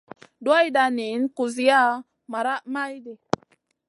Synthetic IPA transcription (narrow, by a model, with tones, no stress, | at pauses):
dwa˦jda˨ni˨˦nku˨zi˦ja˦ | ma˨ɾa˦ma˦jdi˨